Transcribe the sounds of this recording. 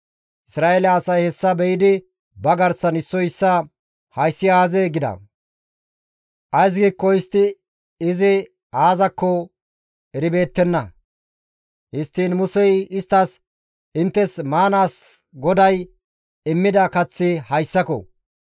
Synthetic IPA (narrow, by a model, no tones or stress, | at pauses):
ʔɪsɾaːeːlɐːsɐjhɛsːɐbɛjɪd̪ɪ | bɐɡɐɾsːɐnɪsːɔjɪsːɐ | hɐjsːɪaːzeːɡɪd̪ɐ̰ | ʔɐjs̬ɡiːkːɔɪst̪ːɪ | ɪzɪ | aːzɐkːɔ | ɛɾɪbe̞ːt̪ːɛnːɐ | hɪst̪ːiːnmʊsɛjɪst̪ːɐs | ɪnt̪ːɛsmaːnaːs | ɡɔd̪ɐj | ɪmːɪd̪ɐkɐt͡sːɪhɐjsːɐkɔ̰